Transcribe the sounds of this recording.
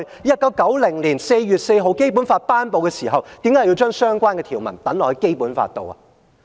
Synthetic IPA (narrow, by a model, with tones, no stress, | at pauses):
jɐ˥t̚kɐ˨˥w̚kɐ˨˥wlɪ˨˩ŋliː˨˩nse˧jːyː˨t̚se˧jɦo˨˧wke˥jp̬u˨˥nfaː˧t̚paː˥npo˨˧wkɛː˧siː˨˩ɦɐ˨wt̪i˨˥mkaː˨˥ji˧wt͡ʃœː˥ŋsœː˥ŋkʷaː˥nkɛː˧t̪ʰiː˨˩wmɐ̰˨˩nt̪ɐ˨˥nlɔː˨˩hjke˥jpuː˨˥nfa̰ː˧t̚t̪o̰˨˧wɐ̰˨